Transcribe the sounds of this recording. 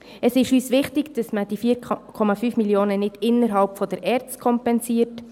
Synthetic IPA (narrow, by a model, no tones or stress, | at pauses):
əsɪʃyːsʋɪχtɪɡd̥ɑsməd̥ifiːɾkʰɔmɑfyːfmiljoːnənɪdɪnːəɾɦɑlpfɔdəɾʔɛːɾt͡stkʰɔmpɛnsiːəɾt